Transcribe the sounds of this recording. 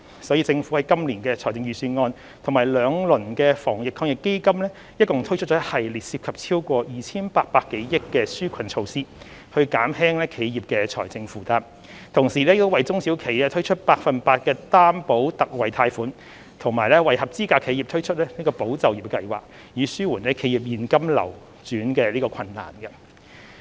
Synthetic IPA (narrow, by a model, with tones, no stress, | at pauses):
sɔː˨˥jiː˧t͡sɪ˧ŋfu˨˥hɐ˨jkɐ˥mliː˨˩nkɛː˧t͡sʰɔː˨˩jt͡sɪ˧ŋjyː˨˩syː˧nŋɔː˧n | t̪ʰʊ˨˩ŋmaː˨˩jlœː˨˧ŋlɵ˨˩nkɛː˧fɔː˨˩ŋjɪ˨kʰɔː˧ŋɪ˨˩kːe˥jkɐ˥mlɛː˥ | jɐ˥t̚kʊ˨ŋt̪ʰɥt͡ʃʰɵ˥t͡ʃɔː˨˧˥hɐ˨˩jliː˨t̚siː˧p̚kʰɐ˨p̚t͡sʰiː˥wkʷɔː˧jiː˨˩t͡sʰiː˥npaː˧k̚paː˧k̚ːe˨˥jjɪ˥kːɛː˧syː˥kʷʰɐ˨˩nt͡ʃʰo˧wsiː˥ | hɵ˧ɥkaː˨˥mhɛː˥ŋlɛː˥kʰe˨˧jjiː˨p̚kɛː˧t͡sʰɔ̰ː˨˩jt͡sɪ˧ŋfuː˨˩t̪aː˧p | t̪ʰʊ˨˩ŋsiː˨˩lɛ˥jtʊ˥wɐ˨jt͡sʊ˥ŋsi˨˥wkʰe˨˩jɛ˥t̪ʰɵ˥ɥt͡ʃʰɵ˥t̚paː˧k̚fɐ˨npaː˧t̚kɛː˧t̪aː˥mpo˨˥wt̪ɐ˨k̚wɐ˨˩jt̪ʰaː˧jfuː˨˥n | t̪ʰʊ˨˩ŋmaː˨˩jlɛ˥wɐ˨jhɐ˨p̚t͡siː˥kaː˧kʰe˨˧jiː˨p̚t̪ʰɵ˥ɥt͡ʃʰt̚lɛː˥niː˥kɔː˧po˨˥wt͡sɐ˨wjiː˨˩p̚kɐ˧jwa̰ː˨˩k̚ | jiː˨˧syː˥wuː˨˩nlɛ˥kʰe˨˥jiː˨˩p̚jiː˨˩nkɐ˥mlɐ̰˨˩w | t͡syː˨˥nkɛ˧liː˥kɔː˧kʰɐ˧nːa̰ː˨˩nɡɐ˧